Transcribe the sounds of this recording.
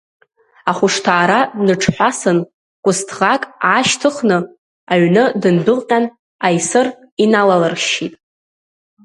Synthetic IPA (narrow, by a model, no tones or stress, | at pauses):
aχʷʊʂtʰaːɾanɨʈ͡ʂʰħʷᶣasɨn | kʷʼʊstʰʁakʼaʃtʰɨχnɨ | aɥnɨdɨndɨqʲʼan | ajsɨr | inalalɨrʃitʼ